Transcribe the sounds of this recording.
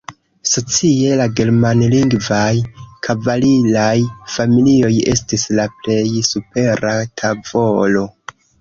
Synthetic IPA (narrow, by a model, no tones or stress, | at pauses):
so̞t͡sie̞laɡe̞ɾmanliŋɡvajkʰavalilajfamilio̞je̞̰stislaple̞jsupe̞ɾatʰavo̞lo̞